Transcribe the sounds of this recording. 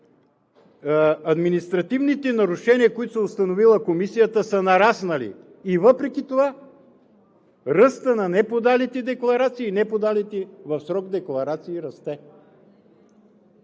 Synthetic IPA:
ɐd̪minist̪ɾɐt̪ivnit̪ɛnɐɾuʃɛniəkoit̪ʊsɛost̪ɐnovilˠəkomisijət̪əsənɐɾasnɐlḭː | vəpɾɛk̟it̪ova | ɾəst̪ənɐnɛpod̪alit̪ɛd̪ɛklˠɐɾat̪siːnɛpod̪alit̪ɛvɐfsɾɔɡd̪ɛklˠɐɾat̪siːɾɐst̪ɛ

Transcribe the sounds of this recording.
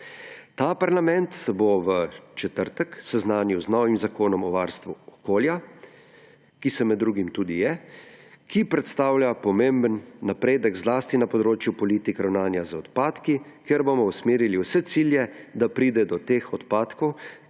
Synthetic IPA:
t̪aːpaɾlamɛnt̪boʋət͡ʃɛt̪əɾt̪əksɛznaːniwznɔːʋimzakoːnɔmɔʋaːɾst̪ʋuɔkoːlja | kisɛmɛd̪ːɾuːɡimt̪uːd̪ijɛ | kipɾɛt̪st̪aːwljapɔmẽmbənːapɾeːd̪əɡzlaːst̪inapɔd̪ɾoːt͡ʃjupɔliːt̪ikɾawnaːnjazaɔt̪paːt̪kikɛɾbomɔusmeːɾiliwsɛt̪siːljɛd̪apɾiːd̪ɛd̪ɔt̪eːxɔt̪paːt̪kɔw

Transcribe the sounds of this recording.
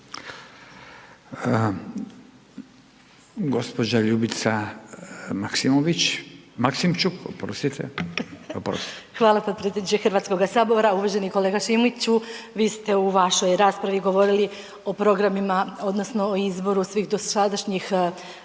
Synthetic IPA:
ɡospod͡ʑaʎubit̪sa | maksimoʋit͡ɕmaksimt͡ʃukopɾost̪it̪ʰḛ | pɾo̰st̪xʋaːlˠapopɾet̪ʲed̪nit͡ʃexrɾʋaːt̪skoɡasabo̞ɾauʋaʒeniko̞leɡaʃimit͡ɕuʋiːst̪e̞uʋaʃo̞jɾaːspɾaʋiɡo̞ʋo̞ɾili | o̞pɾo̞ɡɾamimao̞d̪no̞snoːizbo̞ɾusʋiːxd̪osad̪aʃɲix

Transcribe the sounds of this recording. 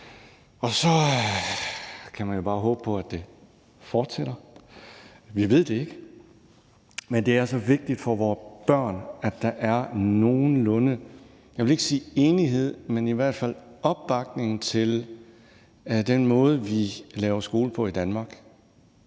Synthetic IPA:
ɒ̽sɒ̽ | kʰæmænjo̝b̥ɑ̈ːɦɔ̽ːb̥əpʰɒ̽æd̥e̝ | fɒːd̥seɾ̥ɐ | ʋiʋe̝ð̞̰ˠd̥e̝e̝ɡ̥ə | mend̥e̝æɐsɒ̽ʋe̝ɡ̥̚d̥id̥fɒ̽ʋɒːb̥ɶɐ̰næd̥ːɑ̈ʔæɐno̝ːn̩lɔ̽nə | jɑ̈ʋele̝ɡ̥əsiːe̝ːniɦe̝ð̰ˠmeniʋæɐ̰d̥fæl̰ɒ̽b̥ːɑ̈ɡ̥̚ne̝ŋn̩t͡sʰe̝l | d̥enmɔ̽ːð̞ˠəʋilɛːʊɐsɡ̥o̝ːləpʰɒ̽id̥ænmɑ̈ːɡ̥

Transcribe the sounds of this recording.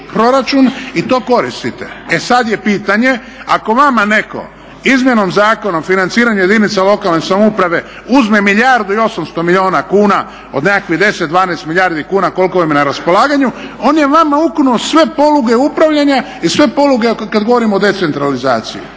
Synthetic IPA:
pɾo̞ɾat͡ʃunit̪o̞ːko̞ɾist̪it̪ḛesad̪je̞piːt̪aɲe̞ | ako̞ʋamane̞ko̞̰ | izmje̞nomzaːko̞nomfinant̪siːɾaɲuje̞d̪init̪salo̞kalˠnesamoupɾaʋe̞ | uzme̞miʎaɾd̪uio̞samst̪o̞miʎio̞ːnakuːna | o̞̰d̪nekakʋiɦd̪e̞sed̪ʋaːnest̪milʎʲjaɾd̪ikuːnako̞lko̞ʋimenaɾaspo̞lˠaːɡaɲuo̞nje̞ʋamauknuosʋe̞po̞luɡe̞upɾaʋʎaɲa | isʋe̞po̞luɡekad̪ɡo̞ʋo̞ɾimood̪e̞t̪se̞nt̪ɾalizaːt̪sḭḭ

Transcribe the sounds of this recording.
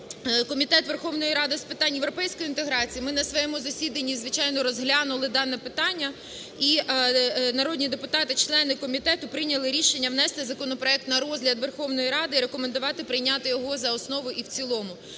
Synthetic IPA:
kɔmʲit̪ɛt̪ʋerxɔʋnɔjiɾɑd̪ɪspɪt̪ɑnʲjeʋɾɔpɛjsʲkɔjint̪eɦɾɑt͡sʲijimɪnɐsʋɔjɛmuzɐsʲid̪ɐnʲːizʋɪt͡ʃɑjnɔɾɔzɦlʲɑnʊlˠɪd̪ɑnɛpɪt̪ɑnʲːɐ | i | nɐɾɔd̪ʲnʲid̪e̞pʊt̪ɑt̪ɪt͡ʃlˠɛnɪkɔmʲit̪ɛt̪ʊpɾɪnʲɐlˠɪɾʲiʃenʲːɐʋnɛst̪ɪzɐkɔnɔpɾɔɛk̚t̪nɐɾɔzɦlʲɐd̪ʋerxɔʋnɔjiɾɑd̪ɪɾe̞kɔmend̪ʊʋɑt̪ɪpɾɪjnʲɑt̪ɪjɔɦɔzɐɔsnɔʋʊʔiwt͡sʲilˠɔmʊ

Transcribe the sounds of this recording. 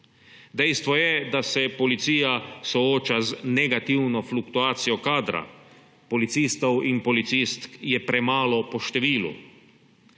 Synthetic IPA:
d̪ɛjst̪ʋɔjɛd̪asɛpɔlit̪siːjasɔoːt͡ʃaznɛɡat̪iwnɔflukt̪uaːt̪sijɔkaːd̪ɾa̰ | pɔlit̪siːst̪ɔwinpɔlit̪sist̪kjɛpɾɛmaːlɔpɔʃt̪ɛʋiːlṵ

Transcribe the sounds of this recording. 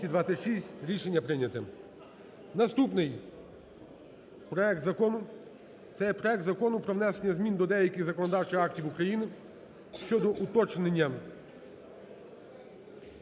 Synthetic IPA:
id̪ʋasʲɪtʲʃisʲtʲɾʲiʃenʲːɐpɾɪnʲɐt̪ɪ | nɐst̪upnɪj | pɾɔɛk̚t̪zɐkɔnʊ | t̪sɛjɛpɾɔɛk̚t̪zɐkɔnʊpɾɔʋnɛsenʲːɐzmʲind̪ɔd̪ɛjɐkʲɪɣzɐkɔnɔd̪ɑwt͡ʃɪxɑktʲiwukɾɐjinɪ | ʃt͡ʃɔd̪ɔʔʊt̪ɔt͡ʃnenʲːɐ

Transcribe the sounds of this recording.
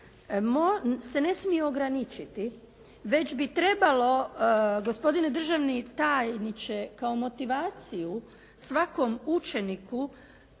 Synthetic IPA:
mose̞ne̞smieoɡɾanit͡ʃit̪i | ʋe̞d͡ʑbit̪ɾe̞balo̞ɡo̞spo̞d̪ined̪r̩ʒaʋnit̪aːjnit͡ʃe̞kaomo̞t̪iʋaːt̪siju | sʋako̞mut͡ʃe̞niku

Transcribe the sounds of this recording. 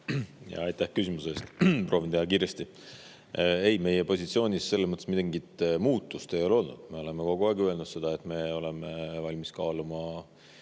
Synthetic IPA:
jɑ̰ɑjt̪ːæhkysʲimuse̞ːst̪prʔo̞ːvint̪e̞hɑkiːɾe̞st̪i | e̞jme̞jepo̞sʲit̪sio̞ːnʲisːe̞lːesmɤt̪ːesmid̪eŋɡit̪muːt̪ːˑust̪ejo̞lo̞lnṵd̪̥me̞o̞le̞meko̞ɡ̥uɑːɡiøe̞lnud̪se̞d̪̥ɑe̞t̪ːme̞o̞le̞mevɑlʲmiskɑːlumɑ

